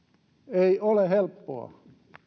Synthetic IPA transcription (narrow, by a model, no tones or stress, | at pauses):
eiolehelpːo̰ɑ̰